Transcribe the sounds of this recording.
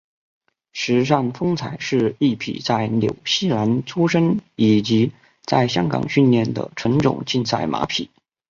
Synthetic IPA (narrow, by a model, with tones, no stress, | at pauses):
ʂɻ̩˧˥ʂ̬a˥˩nfɤ˥ŋt͡sʰa˨˩ɪʂɻ̩˥˧i˥˩pʰḭ˨˩t͡sa˥˩ɪljo˨˩ʊɕi˥˩la˧˥nʈ͡ʂʰu˥ʂə˥ŋi˨˩t͡ɕi˧˥ | t͡sa˥˧˩ɪɕjɑ˥ŋkɑ̰˨˩ŋɕy˥˧nljɛ˥˩nd̪ə̰˩ʈ͡ʂʰə˧˥nʈ͡ʂʊ̰˨˩ŋt͡ɕi˥˧nsa̰˥˩ɪmʔa̰˧˥pʰi˨˩˦